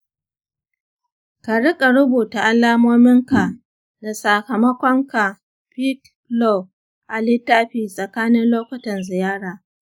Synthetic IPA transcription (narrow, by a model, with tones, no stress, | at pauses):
ka˨ɽɪ˦kʼa˨ɽʊ˦buː˨ta˨ʔa˦laː˦moː˦mɪ˦ŋka˨ | da˨sa˨kɐ˨mɐ˦kʷɔ˦ŋka˨ | pi˦k | lo˨ | ʔa˨lɪ˦taː˦ɸiː˨sʼɐ˨kaː˦nɪ˦nloː˦kʷɐ˦tɐ˨nzɪ˨jaː˦ɽaː˨